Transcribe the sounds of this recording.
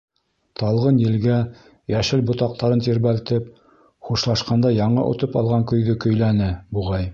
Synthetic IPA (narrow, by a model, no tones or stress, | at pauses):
t̪ɑlˠʁɤnjɘ̆lɡæ | jæʃɘlbŏt̪ɑq̚t̪ɑɾɤnt̪iɾβælt̪ɘp̚ | χuʃlˠɑʃqɑnd̪ɑjɑɴɤ̰ʔŏ̰t̪ɤpɑ̰lˠʁɑŋkɵ̆jɡɵkɵ̆jlænɘbuʁɑj